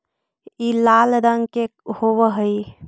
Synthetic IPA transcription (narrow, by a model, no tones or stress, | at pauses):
ilalɾəŋkehoʋəɦəj